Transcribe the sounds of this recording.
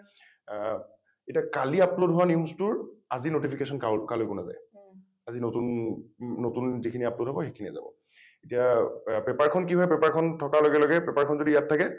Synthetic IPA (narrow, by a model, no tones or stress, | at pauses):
etiakaliaplodɦʊwaniumstuɹazinotipʰikesɔnkakalojkʊna̰za̰j | azinotunː | otunzikʰiniaplodɦɔbɔxekʰinia̰za̰bɔ̰ | etiapɛpaɹkʰɔnk̬iɦɔjpɛpaɹkʰɔntʰɔkalɔɡɛlɔɡɛpɛpaɹkʰɔnzodijattʰːakɛ